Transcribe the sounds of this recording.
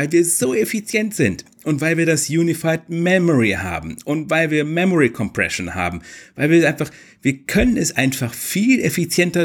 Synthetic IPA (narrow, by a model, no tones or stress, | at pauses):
aɪlviːɐzoːefit͡sjɛntz̥ɪnt | ʔʊntv̥aɪlviːɐdasjuːnifaɪt̚mɛmɔʁiha̰ːbm̩ʔʊntv̥aɪlviːɐmɛmɔʁikʰɔmpʁ̥ɛ̰ʃonha̰ːbm̩vaɪlviːɐaɪnfaχ | v̥iːɐkʰœnənɛsʔaɪnfaχfiːlʔefit͡sjɛntɐ